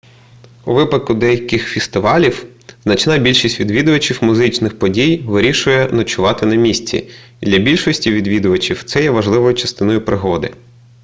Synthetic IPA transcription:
uʋɪpɐt̪̚kʊd̪ɛjɐkɪxfʲest̪ɪʋɑlʲiw | z̥nɐt͡ʃnɑbʲilʲʃisʲtʲʋʲid̪ʋʲid̪ʊʋɐt͡ʃiwmʊzɪt͡ʃnɪxpɔdʲijʋɪɾʲiʃʊjɛnɐt͡ʃʊʋɑt̪ɪnɐmʲisʲt͡sʲḭ | d̪lʲɐbʲilʲʃɔsʲtʲiʋʲid̪ʋʲid̪ʊʋɐt͡ʃʲiwt̪sɛjɛʋɐʒlˠɪʋɔjʊt͡ʃɐ̥st̪ɪnɔjʊpɾɪɦɔd̪ɪ

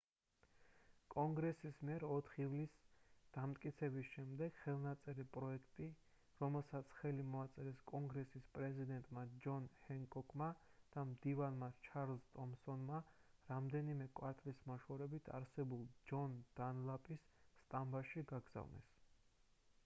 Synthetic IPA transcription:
kʼɔŋɡɾɛsismiɛɾɔt̪ʰχivlisd̪̥amt̪ʼkʼit̪sʰɛbisʃɛmd̪ɛɡ̥χɛlˠnat̪sʼɛɾipʼɾɔɛkʰt̪ʼi | ɾɔmɛlˠsat̪sʰχɛlimɔat̪sʼɛɾɛskʼɔŋɡɾɛsispʼɾɛzid̪ɛnt̪ʼmad͡ʒɔnhɛŋkʼɔkʼʰmad̪̥amd̪ivanmat͡ʃʰaɾlzt̪ʼɔmsɔnmaɾamd̪ɛnimɛkʼwaɾt̪ʼlismaʃwɔɾɛbit̪ʰa̰ɾsɛbulˠd͡ʒɔnd̪̥anlˠapʼisːt̪ʼambaʃiɡaɡz̥a̰vnɛ̰s

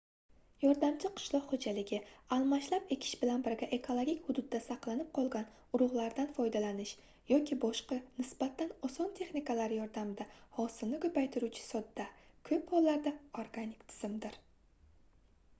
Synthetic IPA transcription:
jɒɾd̪amt͡ʃʰɪqʰɨ̥ʃlˠɒqhod͡ʒalɪɡʲɪalˠmaʃlape̞kʲʰɪ̥ʃbɪlanbɪɾɡʲaʔe̞kʰo̞lˠoɡʲikʲhʊd̪ʊd̪ːasɑqlˠanɪp̚qʰɒlˠɡʲan | ʊɾʊʁlˠaɾd̪anfɒjd̪alanɪʃ | jɒkʲʰɪbɒʃqɑnɪsb̥at̪ʰːanɒsɒnt̪ʰe̞χnɪkalaɾjɒɾd̪amɪd̪ahɒsɪlnɪkʰɵpajt̪ʰɪɾut͡ʃʰɪ̥sɒd̪ːakʰɵphɒlˠːaɾd̪aoɾɡanɪkt̪ʰɪ̥z̥ɪmd̪ɪɾ

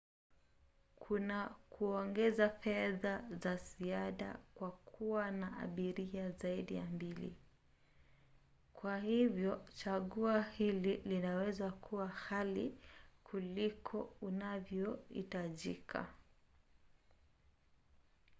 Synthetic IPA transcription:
kʰunakuɔŋɡɛzafɛðazaziaɗa̰kwakʰuwanaʔa̰ɓiɾiazaiɗija̰mbilḭ | kwahivjɔt͡ʃaɠuahililinawɛzakʰuwahalikʰulikʰɔunavjɔhḭtaʄikʰa̰

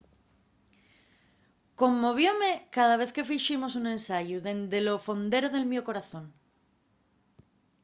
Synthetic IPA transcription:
ko̞mːo̞β̞jo̞me̞kað̞aβ̞e̞θke̞fiʃimo̞sunẽ̞nsaʝuðe̞nd̪elo̞fo̞nd̪e̞ɾoðe̞lmjoko̞ɾaθõ̞ŋ

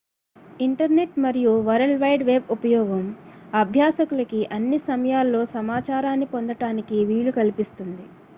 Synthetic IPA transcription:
iɳʈɐɾne̞ʈmɐɾijuʋɐɾɐlʋɐjɖʋe̞ːbupɐjɔːɡɐm | ɐbʱjaːsɐkulɐkiʔɐnːisɐmɐjaːlːo̞ːsɐmaːt͡ʃaːɾaːnːipond̪ɐʈaːnikiʋiːlukɐlipist̪und̪i

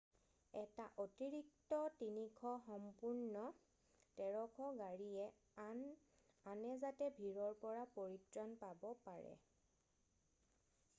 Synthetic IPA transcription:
ɛtaʔotiɹik̚tɔtinikʰɔxɔmpuɹnɔ | tɛɹɔkʰɔɡaɹiɛ | anɛzatɛbʱiɹɔɹpɔɹapoɹitɹɔnpabɔpaɹɛ̰

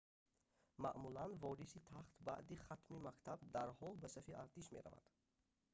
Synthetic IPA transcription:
maʔmulanvɔɾisit̪ʰaχt̪ba̰ʔd̪iχat̪mimakt̪ʰab̚d̪aɾhɔlbæsafiaɾt̪ʰiʃmḛɾa̰va̰d̪̥

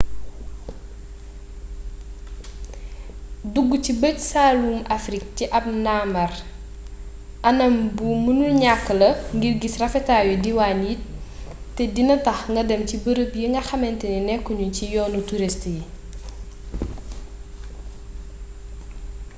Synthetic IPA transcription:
duɡːucibəcsaːluːmɐfɾik̚tiʔɐp̚naːmɐr | ʔɐnɐmbumunulɲakːəlɐŋɡirɡisrɐfɛtaːjudiwanit̚ː | ɛdinɐtɐxŋɡɐdɛmcibəɾəpjiŋɡɐxɐmɛntɛninɛkːɔɲucijɔːnutuɾistji

